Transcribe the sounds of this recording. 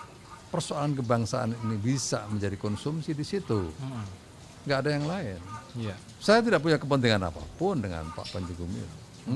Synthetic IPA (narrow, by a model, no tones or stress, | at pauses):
pərsoalank̬əbaŋsaʔa̰ninibisa̰məɲd͡ʒadikɔnsumsidisit̪u | ŋɡaːdajaŋlaɪn | sajat̪̬idaʔp̬uɲakəp̬ənt̪̬iŋana̰pa̰pʊndəŋa̰npa̰ʔpaɲd͡ʒiɡumḭt